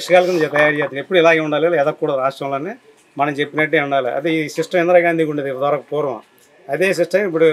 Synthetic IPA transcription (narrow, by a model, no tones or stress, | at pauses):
ʂɐkaːlkɐnːɐd͡ʒt̪ɐjaːɾt͡ʃeːt̪ːnepːuɽuilaːɡeːuɳɖaːlelɛd̪ɐkːuːɽaɾaːsʈɾɐmloːni | mɐnɐmt͡ʃepːinɐʈːeːuɳɖaːliɐ̰d̪iisiʂʈɐmend̪ɾaːɡaːnd̪iːkuɳɖeːd̪id̪ʋaːɾaːkupoːɾʋɐ̰̃ | ɐd̪eːs̬iʂʈɐmip̬ːuɽu